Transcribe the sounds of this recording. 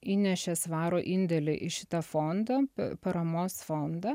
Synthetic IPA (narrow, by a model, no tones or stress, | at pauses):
iːnʲɛʃʲɛsʋɑːɾoːʔɪnʲd̪ʲɛlʲɪʔɪʃʲɪt̪ɐfond̪ɐpɐɾɐmoːsfond̪ɐ